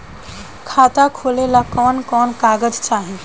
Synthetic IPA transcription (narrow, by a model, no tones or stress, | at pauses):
kʰaːt̪akʰoːlelakɔːnkɔːnkaːɡəd͡ʒt͡ʃaːɦẽ